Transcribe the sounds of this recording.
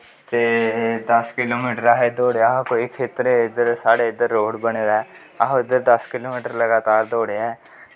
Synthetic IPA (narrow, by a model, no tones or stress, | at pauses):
t̪eːd̪ɐskɪloːmiːʈəɾaːɦed̪oːɽeaːɦkoɪkʰːɪt̪ɾeɪd̪əɾsaːɽeɪd̪əɾːoːɽbəñed̪ɛ | aɦɪd̪əɾd̪ɐskɪloːmɪːʈəɾləɡaːt̪aːɾd̪oːɽeɛː